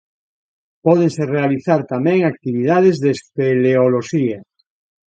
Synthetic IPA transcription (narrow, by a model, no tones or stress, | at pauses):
pɔð̞eŋserealiθaɾt̪amẽŋak̚t̪iβ̞ið̞að̞ezðespeleoloʃia